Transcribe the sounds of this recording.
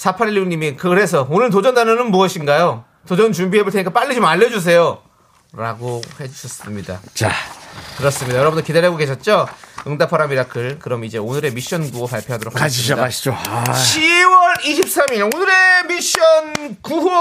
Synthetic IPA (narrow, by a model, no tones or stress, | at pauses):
sʰapʰaɾiʎːiuɲimikɯɾe̞s̬ʰʌonɯɭt̬od͡ʑʌndanʌnɯnmuʌɕʰinɡajo | tod͡ʑʌnt͡ɕumbiɦebɯɭtʰeɲik͈ap͈aɭːid͡ʑomaʎːʌd͡ʑus̬ʰe̞jo | ɾaɡohe̞d͡ʑuɕʰʌs͈ɯmɲida̰t͡ɕakɯɾʌs͈ɯmɲidajʌɾʌbɯndokidaɾaɡoke̞ɕʰʌt̚t͡ɕ͈oɯŋdapʰaɾamiɾakʰɯɭkɯɾʌmid͡ʑe̞onɯɾe̞miɕ͈ʌnɡuopaɭpʰjoadoɾokʰakadaad͡ʑoɕʰiwʌɾiɕʰip̚s͈amionɯɾe̞miɕ͈ʌnkuɦu